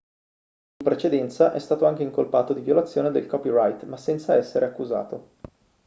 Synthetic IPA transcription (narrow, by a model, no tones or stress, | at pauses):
impɾet͡ʃed̪ɛnt̪saʔɛst̪aːt̪oaŋk̟eiŋkolpaːt̪od̪ivjolat̪sːjoːned̪ḛlkɔpirajt̪masːɛnt̪saɛsːeɾʔeakːuza̰ːt̪o